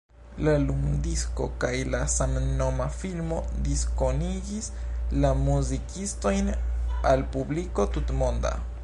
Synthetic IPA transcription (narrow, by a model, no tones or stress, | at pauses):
lalumdisko̞̰kajlasamno̞mafilmo̞d̪isko̞niɡislamuzikisto̞jnalpubliko̞tutmonda̰